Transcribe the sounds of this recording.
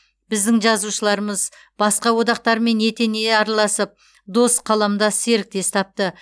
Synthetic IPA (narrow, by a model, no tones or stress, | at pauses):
bɪzd̪ɪŋʒɑzuʃəlˠɑɾəməz | b̥ɑsqɑwo̞d̪ɑq̚t̪ɑɾme̞ne̞t̪e̞ne̞ɑɾɑlˠɑsəp̚ | d̪o̞sqʰɑlˠɑmd̪ɑse̞ɾɪk̚t̪e̞st̪ʰɑp̚t̪ə